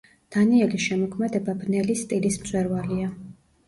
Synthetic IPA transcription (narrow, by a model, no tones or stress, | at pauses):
d̪̥aniɛliʃɛmɔkʰmɛd̪ɛbabnɛlisːt̪ʼilismt̪sʼwɛɾvalia